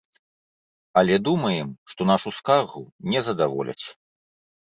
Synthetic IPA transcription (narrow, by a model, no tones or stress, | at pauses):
ɐlʲɛd̪umɐjɛmʂt̪ɔnaʂuskaɣunʲɛzɐd̪avɔ̰lʲɐ̰t͡sʲ